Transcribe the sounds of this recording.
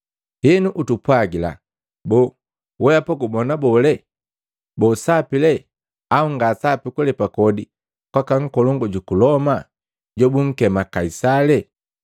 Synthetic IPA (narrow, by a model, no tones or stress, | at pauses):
hɛnuʔutupwaɡila̰ | bɔ | wɛapɔɡubɔnabɔlɛ | bɔsapilɛ | auŋɡasapikulɛpakɔdi | kwakaŋ̩kɔlɔŋɡɔɟukulɔma | ɟɔbuŋ̩kɛmakaisalɛ